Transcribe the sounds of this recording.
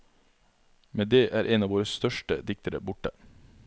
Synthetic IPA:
meːd̪eːʔæːɾʔeːnɑːʋoːɾəst̪œʃʈəd̪ɪk̚t̪əɾə̰bʊʈə

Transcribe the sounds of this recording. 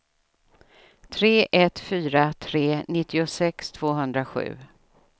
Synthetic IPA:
t̪ʰɾeːʔɛt̪fyːɾat̪ʰɾeːnɪt̪ʰːɪʊsɛkst̪ʰv̥oːɦɵnd̪ɾaɧʉ̟̰ː

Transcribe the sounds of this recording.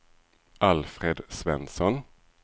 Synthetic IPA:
ʔalfɾeːd̪svɛnsɔn

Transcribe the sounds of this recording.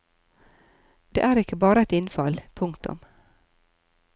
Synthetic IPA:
d̪̥ɛ̰ʔæɾɪkːəbɑːɾaɛt̪ɪnːfɑlpʰɵŋkt̪ɔ̰m

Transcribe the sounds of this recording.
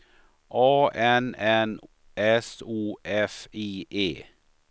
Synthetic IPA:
ʔɑːɛnɛn | ʔɛsuːʔɛfiːʔeː

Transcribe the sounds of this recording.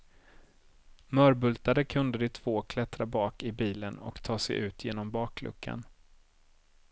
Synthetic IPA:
mœːɾbɵlt̪ad̪əkʰɵnd̪əd̪ɪt̪ʰv̥oːkʰlɛt̪ɾabɑːkɪbiːlənɔ̰kt̪ʰɑːsɛ̰ʔʉ̟ːt̪ʰjeːnɔmbɑːklɵ̰kʰːa̰n

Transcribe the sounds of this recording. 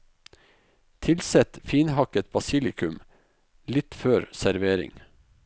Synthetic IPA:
t̪ʰɪlsɛt̪fiːnhɑkət̪̚bɑsɪlɪkʰʉm | lɪt̪føːɾsæɾʋeːɾɪ̰ŋ

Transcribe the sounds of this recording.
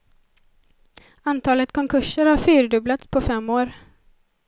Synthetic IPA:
ant̪ʰɑːlət̪kʰɔŋkʰɵʂəɾhaɾfyːɾɖɵblat̪spʰɔfɛmːoːɾ

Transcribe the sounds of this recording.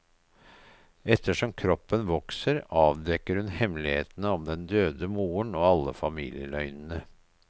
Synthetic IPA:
ɛt̪ːəʂɔmkʰɾɔpːənʋɔksəɾɑːʋd̪ɛkːəɾhʉnhɛmlɪhḛːt̪nəɔmd̪ɛnd̪øːd̪əmuːəɳoːɑlːəfɑmḭːljəlœʏnn̩ə

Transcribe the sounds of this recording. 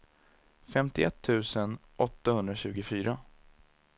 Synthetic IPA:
fɛmt̪ɪʔɛt̪ʰːʉ̟ːsənʔɔt̪ːahɵnd̪ɾaɕʉ̟ːɡʊfyːɾa

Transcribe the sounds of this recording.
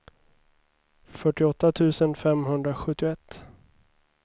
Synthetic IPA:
fœʈɪɔt̪ːat̪ʰʉ̟ːsənfɛmɦɵnd̪ɾaɧɵt̪ːɪʊɛt̪ː

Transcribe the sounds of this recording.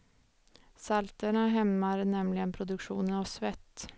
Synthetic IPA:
salt̪əɳaɦɛmːaɾnɛmlɪɡənpʰɾʊd̪ɵkʂṵːnənaʋsvɛt̪ː

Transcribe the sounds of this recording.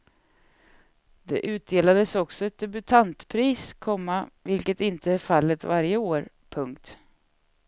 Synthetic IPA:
d̪ɛ̰ʔʉ̟ːt̪̚d̪eːlad̪əsɔksɔɛt̪̚d̪ɛbɵt̪ʰant̪pʰɾiːskʰɔmːavɪlkət̪ɪnt̪ʰəæɾfalːət̪vaɾjəoːɾ | pʰɵŋkt̪

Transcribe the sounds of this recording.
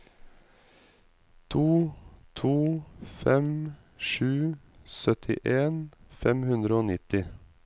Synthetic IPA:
t̪ʰuːt̪ʰuːfɛm | ʃʉːsœt̪ʰɪ̰ʔeːnfɛmhʉnd̪ɾəoːnɪt̪ɪ

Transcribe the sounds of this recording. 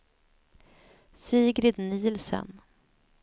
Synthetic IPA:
siːɡɾɪd̪niːlsə̰n

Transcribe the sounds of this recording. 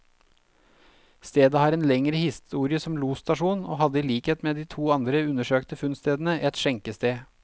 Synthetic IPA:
st̪eːd̪əhɑːɾeːnlɛŋɾəhɪst̪uːɾɪəsɔmluːst̪ɑʂuːno̰ːhɑd̪əiːliːkheːt̪meːd̪iːt̪ʰuːɑnd̪ɾəʉnəʂøːkt̪əfʉnst̪eːd̪n̩əʔɛt̪ʃɛŋkəst̪eː

